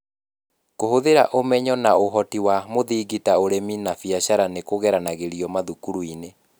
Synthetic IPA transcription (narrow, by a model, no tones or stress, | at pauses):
kohoðeɾaʔomɛɲɔnaoɦɔtiwamoðiːɡitaoɾeminafjaɕaɾanekoɣɛɾanaɣeɾiɔmaðukuɾuine